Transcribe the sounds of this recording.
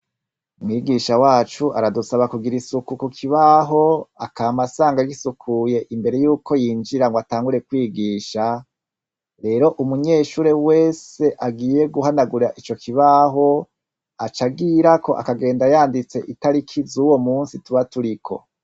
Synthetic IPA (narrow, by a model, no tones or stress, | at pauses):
umŋiːɡiʃawaːt͡ʃuʔaɾadusaβakuɡiɾisukukukʰiβaɦo̞a̰kaːmasaːŋɡaɡisukʰuje̞ʔimbe̞ɾe̞juːkʰo̞jiːnd͡ʒiɾaŋɡwataːŋɡuɾe̞kwiːɡiːʃa | ɾe̞ːɾo̞ʔumuɲe̞ːʃuːɾe̞we̞ːse̞ʔaɡiːje̞ɡuɦanaɡuɾaʔit͡ʃo̞kʰiβaɦo̞ | at͡ʃaɡiɾakʰo̞ʔa̰kaɡe̞ːndajaːndit͡se̞ʔitaɾikʰizuwo̞muːnsituβatuɾikʰo̞̰